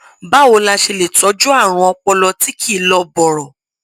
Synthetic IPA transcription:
ba˨˦o˧la˧ʃe˧le˨tɔ˨˦d͡ʒu˦a˦˨ɾ̃ũ˧ɔ˧k͡pɔ˧lɔ˧ti˨˦kʰi˦˨lɔ˧bɔ˨ɾɔ˨

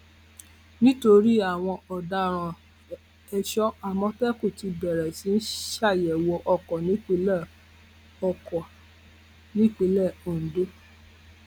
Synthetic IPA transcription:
nĩ˦to˧ɾi˦a˦˨w̃ɔ̃˧ɔ˨da˧ɾ̃ã˨ | ɛ˧ʃɔ˦a˨mɔ̃˦tɛ˦ku˦˨ti˧bɛ˨ɾɛ˨si˨˦n̩˦ʃa˦˨jɛ˨wɔ˧ʔɔ˧kɔ˨nĩ˨˦k͡pe˧lɛ˦˨ | ɔ˨kɔ˨ | nĩ˦k͡pe˧lɛ˦˨o˨n̩˨do˦

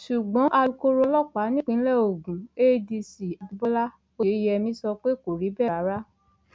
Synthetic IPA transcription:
ʃu˨ɡ͡bɔ̃˨˦ʔa˧u˧ko˦ɾo˧lɔ˦k͡pa˨˦nĩ˦k͡pĩ˦lɛ˦o˨ɡũ˨e˦di˧si˨a˨di˧˦bɔ˦la˦ | o˧e˨˦jɛ˧mĩ˦sɔ˧k͡pe˦ko˨ɾi˨˦bɛ˦˨a˨˦ɾa˦

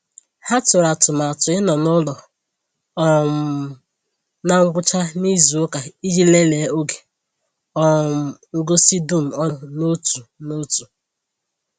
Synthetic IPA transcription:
ha˦tʊ˨ɾa˨tʊ˨ma˨tʊ˨ɪ˦nɔ˨nʊ˦lɔ˨ | ɔ˦m˨ | na˦ŋ̩˦ɡʷʊ˦t͡ʃa˦ni˦zu˨o˦ka˨i˦d͡ʒi˦le˦le˨˦o˦ɡe̥˨ | ɔ˦m̩˨ŋ̩˦ɡo˦si˦du˦˨m̩˨ɔ˦no˦tu˨no˦tu˨

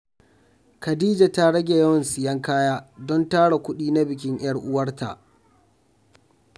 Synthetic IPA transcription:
kɐ˨diː˦d͡ʒa˨ta˦ɽɐ˦ɡʲe˨jɐ˦wɐ˨nsɪ˨jɐ˦ŋkaː˦jaː˦dɔ˦ntaː˦ɽa˨kʷʊ˦ɗiː˦na˦bɪ˨kʲɪ˦ɲʔj̰ɐ˦rʔʊ˦wɐ˦rtʰa̰˨ʔ

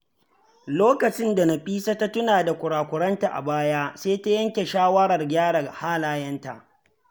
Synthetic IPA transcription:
loː˦kɐ˨t͡ʃɪ˦nda˨na˦ɸiː˦sa˦ta˦tʊ˦naː˨da˨kʷʊ˨ɽaː˨kʷʊ˨ɽɐ˦nta˨ʔa̰˨baː˦jaː˦seː˦ta˦jɐ˦ŋkʲe˨ʃaː˦wɐ˦ɽɐ˨rɡʲaː˦ɽa˨haː˦laː˦jɐ˦nta̰˨ʔ

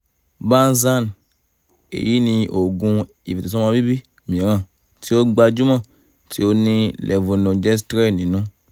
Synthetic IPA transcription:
bã˦n˦zã˦˨n | ḛ˨ji˦nĩ˧ʔo˨ɡũ˧ | ḭ˨vi˨tu˨sɔ̃˦mã˧bi˦bi˦ | mĩ˨ɾã˨ | ti˦o˦ɡ͡ba˧d͡ʒu˦mã˦˨ | ti˨˦o˦nĩ˧lʔɛ˨vo˨nõ˨d͡ʒɛ˦stɾɛ˦˨nĩ˨nũ˦

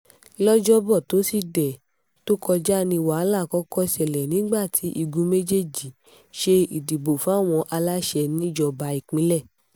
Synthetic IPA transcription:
lɔ˦d͡ʒɔ˦bɔ˦˨to˨˦si˦˨dɛ˨ | to˦kʰɔ˧d͡ʒa˦nĩ˧wa˨˦la˦˨kɔ˦kɔ˦˧sɛ˨lɛ˨nĩ˨˦ɡ͡ba˦˨tʰi˨˦ʔi˦˧ɡũ˧˦me˦d͡ʒe˦˨d͡ʒi˨ | ʃe˧i˨di˨bo˨fɔ̃˨˦˨w̃ɔ̃˧ʔa˧la˦ʃɛ˧nĩ˦d͡ʒɔ˨ba˨˦i˨k͡pĩ˨˦lɛ˦˨

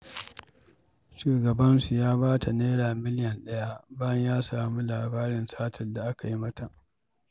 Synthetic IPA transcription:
ʃuː˨ɡɐ˨bɐ˦nsu˨jaː˦baː˦tʰa˨neː˦ɽaː˨mɪ˦ljɐ˨nɗɐ˦ja˦baː˦jɐ˦ɲjaː˦saː˨mu˦laː˨baː˦ɾɪ˨nsaː˦tʰɐ˨nda˨ʔa˦ka˨ji˦mɐ˦ta˨

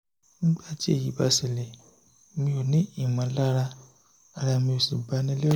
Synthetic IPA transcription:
n̩˦ɡ͡ba˦˨d͡ʒe˦˨ji˨˦ba˧se˨le˨ | mĩ˧˦o˨nĩ˨˦i˦˨mã˨˦la˦ɾa˦ | a˧la˧˨mĩ˧o˨si˨ba˧˦nĩ˦le˦

